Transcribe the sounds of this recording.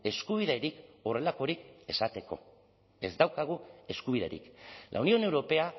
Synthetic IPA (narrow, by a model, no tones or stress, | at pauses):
e̞skuβ̞iðeɾiko̞re̞lako̞ɾike̞sat̪e̞ko̞̰ | e̞zd̪awkaɣ̞ue̞skuβiðe̞̰ɾḭklʔa̰unio̞ne̞wɾo̞pe̞a